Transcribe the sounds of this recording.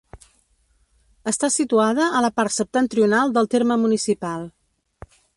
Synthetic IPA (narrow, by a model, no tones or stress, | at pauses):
əst̪asit̪uaðəələpaɾt̪səp̚t̪ənt̪ɾiunalˠd̪əlˠt̪eɾməmunisipalˠ